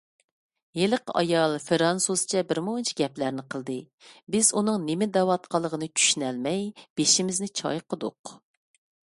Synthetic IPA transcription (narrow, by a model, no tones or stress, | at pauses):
jelɨqɑ̰jɑlˠfɨɾɑnsust͡ʃʰɛbɪɾmʊŋɨnt͡ʃʰiɡʲɛplæɾnɪqʰəlˠd̪ɨ | bɪzunɨŋnɪmɪd̪ɛwɑt̪qʰɑlˠːəʁənɨt͡ʃʲʰy̥ʃynɛlmɛjb̥eʃimɪznɪt͡ʃʰɑ̰jqʰəd̪ʊ̰q